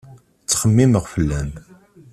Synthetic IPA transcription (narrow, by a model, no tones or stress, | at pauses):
t͡sːχəmːiməʁfəlːæn